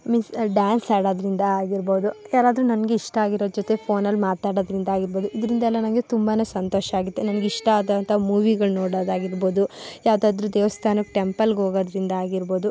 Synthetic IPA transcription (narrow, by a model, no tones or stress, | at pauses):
minsɖjaːnsaːɽoːd̪ɐɾind̪ɐaːɡiɾbo̞ːd̪ujaːɾaːd̪ɾunɐnɐɡeiʂʈɐaːɡiɾodd͡ʒot̪e̞pʰo̞ːnɐlːmaːt̪aːɽoːd̪ɐɾind̪ɐaːɡiɾbo̞ːd̪uid̪ɐɾind̪ɐɛlːɐnɐnɡe̞t̪umbaːne̞ːsɐnt̪oːʃɐaːɡut̪ːenɐnɐɡeiʂʈɐaːd̪ɐnt̪ʰɐɦmuːʋiɡɐɭnoːɽaːd̪aːɡiɾbo̞ːd̪ujaːʋd̪aːd̪ɾud̪eːʋɐst̪ʰaːnɐkʈempɐlɡeɦoːɡoːd̪ɐɾind̪ɐaːɡiɾbo̞ːd̪u